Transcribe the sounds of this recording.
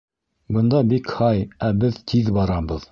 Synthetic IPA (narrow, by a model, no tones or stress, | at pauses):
bɤ̆nd̪ɑbikhɑjæbɘðt̪ʰiðbɑɾɑbɤð